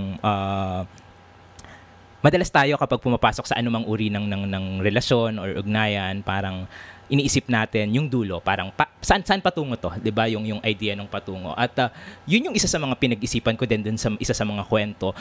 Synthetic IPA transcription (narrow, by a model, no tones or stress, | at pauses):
ŋʔɐ | mɐd̪ɐlast̪aːjo̞kɐpaɡ̚pʊmɐpaːso̞k̚sɐ̰ʔɐnʊmɐŋʔuːɾinɐŋnɐŋnɐŋɾɛlɐʃjo̞nʔoɹʔʊɡ̚naːjɐnpaːɾɐŋʔɪniːʔisɪp̚naːt̪ɪnjʊŋd̪uːlo̞paːɾɐŋpasɐʔansɐʔanpɐt̪uːŋo̞t̪o̞d̪ɪbajʊŋjʊŋʔɐjd̪iːjɐnoŋpɐt̪uːŋo̞̰ʔɐt̪ɐjʊnjʊŋʔɪsasɐmɐŋapɪnɐɡʔɪsiːpɐnkod̪ɛnd̪ʊnsɐʔɪsasɐmɐŋakwɛnt̪o̞